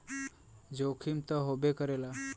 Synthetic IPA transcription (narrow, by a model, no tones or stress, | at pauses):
d͡ʒokʰimt̪əɦobekəɾela